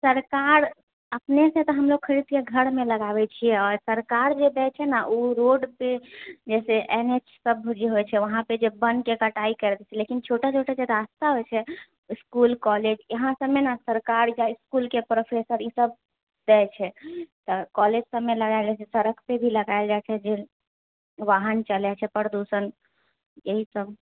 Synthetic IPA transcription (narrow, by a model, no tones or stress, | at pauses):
səɾkaɾ | əpnesẽt̪ɔɦəmloɡ̚kʰəɾid̪keɡʱəɽmeləɡabɛt͡ʃʰijɛɔɾsəɾkaɾd͡ʒed̪ɛt͡ʃʰɛnaʔuɾoɖped͡ʒɛseʔenet͡ʃsəbd͡ʒeɦojt͡ʃʰɛʋəɦãped͡ʒebənkekəʈaikəɾd̪ɛt͡ʃʰɛlekint͡ʃʰoʈat͡ʃʰoʈad͡ʒeɾast̪aɦojt͡ʃʰɛ | iskulkɔled͡ʒəɦãsəmːenasəɾkaɾjaiskulkepɾopʰesəɾisəb | d̪ɛt͡ʃʰɛt̪ɔkɔled͡ʒsəbːeləɡaɪld͡ʒat͡ʃʰɛsəɾəkʰpebʱiləɡajld͡ʒat͡ʃʰɛd͡ʒe | ʋaɦənt͡ʃəlɛt͡ʃʰɛpəɾd̪usən | jeɦisəb